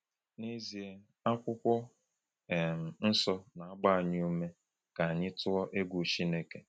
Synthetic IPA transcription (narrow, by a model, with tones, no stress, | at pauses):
ne˦zi˨e˦ | a˦kʷʊ˦kʷɔ˦˨ | m̩˨n̩˦sɔ˦na˨a˦ɡ͡ba˦a˨ɲɪ˦u˦me˦ | ka˨a˨ɲɪ˦tʊ˦ɔ˦ʔe˦ɡʷu˨t͡ʃi˦ne˦ke˨